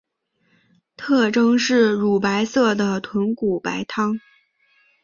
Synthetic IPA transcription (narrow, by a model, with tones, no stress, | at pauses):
t̪ʰɤ˥˩ʈ͡ʂɤ˥ŋʂɻ̩˥˩ɻu˨˩pa˧˥ɪsɤ˥˩d̪ə˩t̪ʰwə˧˥nku˨˩pa̰˧˥ɪt̪ʰɑ˥ŋ